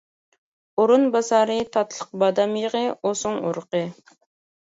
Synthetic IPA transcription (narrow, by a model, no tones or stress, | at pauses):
oɾunbɑsɑɾɨt̪ʰɑt̪lˠəq̚bɑd̪ɑmjəʁəosʊŋuɾqɨ